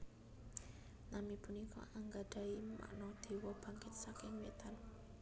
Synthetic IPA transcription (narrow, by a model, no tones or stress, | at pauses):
namipunikɔ̰ʔaŋɡaɖ̪̥a̤ima̰ʔnɔd̪̥e̤wɔb̥a̤ŋkɪt̪̚sakɪŋwet̪an